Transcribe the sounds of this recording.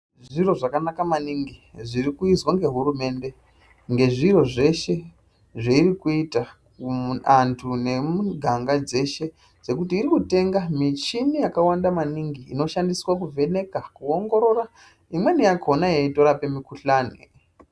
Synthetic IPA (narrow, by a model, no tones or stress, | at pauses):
ʐiro̞ʐakanakamaniŋɡiʐiɾikuizwaŋɡe̞ɦuɾume̞nde̞ | ŋɡe̞ʐiro̞ʐe̞ʃe̞ | ʐeiɾikuitakuantʰune̞muɡʱaŋɡad͡ze̞ʃe̞ | d͡ze̞kutiːɾikute̞ŋɡamit͡ʃinijakawandamaniŋɡiːno̞ʃandiswak̬uve̞ne̞kakuoŋɡo̞ɾo̞ɾa | imwe̞nijako̞najeito̞ɾape̞mikuɬaːnḛ